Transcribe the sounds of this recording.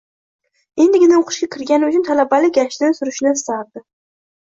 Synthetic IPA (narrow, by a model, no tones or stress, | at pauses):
e̞nd̪ɪɡʲɪnaoqʰʊ̥ʃkʲakʲʰɪɾɡʲanɪʊt͡ʃʰʊnt̪ʰalabalɪk̚ʲɡʲaʃd̪ansʊɾʊʃnɪst̪aɾd̪ɪ